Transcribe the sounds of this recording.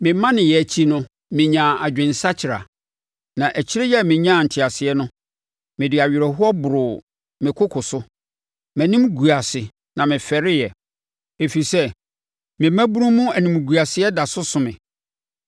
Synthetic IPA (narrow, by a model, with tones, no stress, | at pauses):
mɪ̃˨˦mã˦nɪ̃˨jɛ˨t͡ɕʰi˦nʊ̃˦ | mɪ̃˨ɲã˨a˨d͡ʑᶣɪ̃˨nsa˦t͡ɕʰɪ˨ɾa̰˨ | nã˨ʔæ˨t͡ɕʰɪ˦ɾɪ˦jɛ˦˨mɪ̃˨ɲã˦˨n̩˨tʰɪ˨a˨sɪ˨ɛ˦nʊ̃˦ | mɪ̃˨dɪ˨a˨ɥɪ˨ɾɛ˨ɦʊ˦ɔ˦bʊ˨ɾʊ˨ | mɪ̃˨kʰʊ˦kʰʊ˨sʊ˦ | mæ̃˨nĩ˦mɡu˨a˨sɪ˨ | nã˨mɪ̃˨fɛ˨ɾɪ˦jɛ˨ | e˨fi˨sɛ˦ | mɪ̃˨mæ̃˦bu˦ɾũ˦mũ˦æ˨nĩ˨m˨ɡu˨a˨sɪ˨˦ɛ˦da˨sʊ˦sʊ̃˨mɪ̃˨